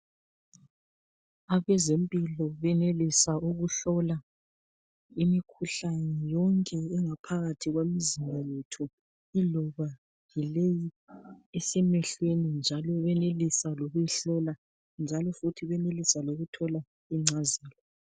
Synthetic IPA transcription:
aβɛzempʼilɔβɛnelisauɣuɬɔla | imikʰuɬanɛjɔŋkʼɛːŋapʰaɣatʰiɣwemizimbʱajetʰu | ilɔβa | jileji | ɛsɛmɛɬwenind͡ʒʱalɔβɛnelisaloɣujiɬɔla | nd͡ʒʱalɔfutʰiβɛnelisaloɣutʰɔla | iŋ͡ǀaziːlɔ

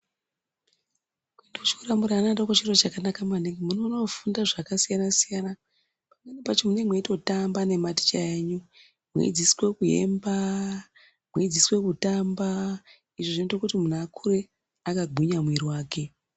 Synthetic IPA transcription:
kwendout͡ʃi̥kuramuɾaːnaɗakot͡ʃiro̞t͡ʃakanakamaneŋɡimunono̞fundaʐakasijanasijana | pamwe̞nepat͡ʃimunemweto̞tambane̞mati̥t͡ʃaeɲu | mwḛd͡ziswe̞kuje̞̰mba | mwed͡ziswe̞kutamba | iʐoʐintokutimun̤akʰuɾe̞ | akaɡʱuɲamwiriwaːke̞

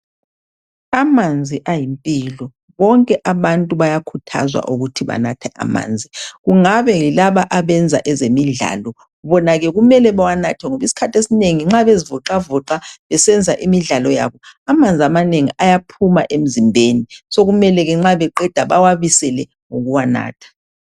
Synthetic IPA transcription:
amand͡zʱiʔajimpʼilɔ | βɔŋkʼɛʔaβantʼuβajakʰutʰa̰zwa̰ʔuɣutʰiβa̰natʰɛʔa̰ma̰ːnd͡zʱiɣuŋaβɛŋilaβaʔaβɛnd͡zʱa̰ʔɛzemiɮa̰ːlɔ | βɔnaɣɛɣumɛlɛβawanatʰɛŋoβisi̥kʰatʰesineŋiŋ͡ǁaβezivɔǃavɔǁaβɛsɛnd͡zʱaʔimiɮalɔja̰βɔamand͡zʱiamaneŋiajapʰumaʔem̩zimbʱeːnisoɣumɛlɛɣɛŋ͡ǁaβɛǃɛd̥ʱaβawaβisɛlɛ | ŋoɣuwana̰ːtʰḁ

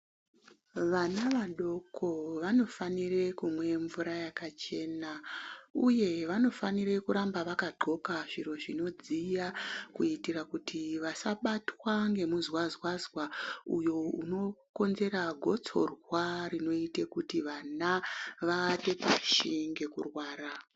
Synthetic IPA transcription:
ʋanaʋaɗo̞kʰo̞ʋano̞fanire̞kumwe̞ɱvuɾajakat͡ʃe̞nauje̞ʋano̞faniɾe̞kuɾambaʋakaɡ͡ǃʱo̞kaʐiɾo̞ʐino̞d͡zijakuitirakutiʋasaɓatwaŋɡe̞muzwazwazwaṵjo̞uno̞ko̞nze̞ɾaɡʱo̞t͡so̞̰rwarino̞itekutiʋanaʋaːte̞paʃiŋɡe̞kurwaːra

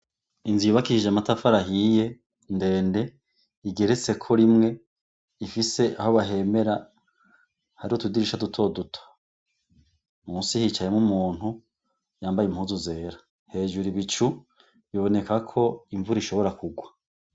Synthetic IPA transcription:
inziβakiiʒamatafaɾaɦije̞ | nde̞ːnde̞ | iɡe̞ɾe̞t͡se̞kʰo̞ɾimŋe̞ | ifise̞ʔaho̞βaɦe̞me̞ɾa | haɾihotudiɾiʃadutʰo̞dutʰo̥ | muːsihit͡ʃajemumuːn̥hu | jaːmbajemhuːzuze̞ːɾa | he̞ːʒuɾiβit͡ʃu | βiβo̞ne̞kakʰo̞iɱvuɾiʃo̞βo̞ɾakuɡwa

